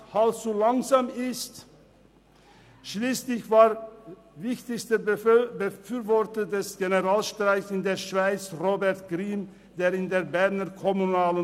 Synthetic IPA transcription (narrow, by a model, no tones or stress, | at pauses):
halft͡sulaŋzaːmɪst | ʃliːslɪçvaːʁ | vɪçtɪçstəbəfyːvɔʁtədɛsɡ̥enəʁaːlʃtʁ̥aɪsɪndeːɐʃv̥aɪt͡sʁoːbɛʁtɡ̥ʁiːm | d̥eːʁɪndeːbɛʁnəkʰɔmunaːlə